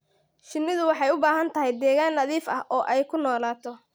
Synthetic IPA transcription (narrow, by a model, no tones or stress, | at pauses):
ʃɪnːɪðʊwɑħɑjʊbaːɦɐnt̪ʰɐɦɛjd̪ɛːɣaːnːɐðiːfɐhʔɔːʔɛjkʰʊnɔːlaːt̪ʰɔ